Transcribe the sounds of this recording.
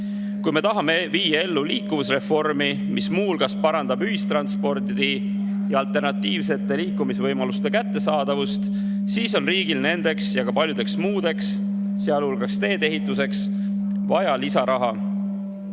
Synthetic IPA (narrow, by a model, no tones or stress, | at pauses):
kujme̞t̪ɑɦɑme̞viːjɑe̞lːuliːkːˑuvusre̞fo̞rmi | mʔismuːlɡ̥ɑspɑɾɑnd̪̥ɑbyɦist̪rɑnspo̞rd̪d̪i | jɑɑlt̪ˑe̞rnɑt̪ːiːvse̞t̪ːˑe̞liːkːumisvɤjmɑlust̪e̞kæt̪ːe̞sɑːd̪̥ɑvust̪ | siːso̞nriːɡ̥ilne̞nd̪̥e̞ksjɑɡ̥ɑpɑlʲjud̪e̞ksmuːd̪̥e̞ksː | eɑlhulɡ̥ɑkst̪e̞ːt̪e̞ɦit̪ːˑuse̞ks | vɑjɑlisɑɾʔɑɦɑ